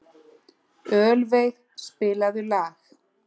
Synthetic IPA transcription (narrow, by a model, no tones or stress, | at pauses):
œːlvejð | spɪːlaðʏlaːx